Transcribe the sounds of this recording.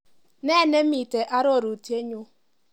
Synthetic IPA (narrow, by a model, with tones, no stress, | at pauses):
ne˦˨ne˦mi˨te˨ʔa˦ɾɔ˦˨ɾu˨ti˦e˦ɲo˦